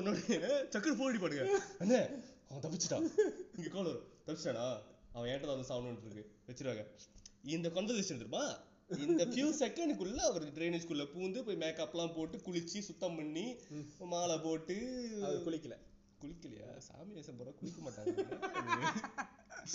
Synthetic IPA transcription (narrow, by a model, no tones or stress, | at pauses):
ɔnːoːɽɐt͡ʃɐkːɐɽpoːɾɪɽipɐɽɯŋɡɐɐnːɐɐʋɐ̃t̪ɐp̬ːɪt͡ʃːɯʈ̪ːãːɪŋɡɐkoːlɐʋɐɾõt̪ɐpɪt͡ʃːʈːãːnãːɐʋɐ̃ɛnːɐʈːɐt̪aːɐnd̪ɐsaːʋnɐʈːɪɾɯkːɯʋɛt͡ʃːɪɾɯʋaːŋɡɐɪnd̪ɐkɔnd̪ɐlɪsʂɐnɯɾɯpːaː | ɪnd̪ɐfjuːsɛkːɛɳɖkʊɭːɐɐʋɐɾʈɾeːneːd͡ʒkʊɭːɐpuːnd̪ɯpoːjmeːkɐpːlãːpoːʈːɯkʊɭɪt͡ʃːisʊt̪ːɐmpɐɳːimaːlɐpoːʈːɯɐkʊɭɪkːɐlɛ̃ | kʊɭɪkːɐlɐ̰ja̰ːsa̰ːmɪnɐɪsɐmpoːɾakʊɭɪkːɐmaːʈːãːɡɐ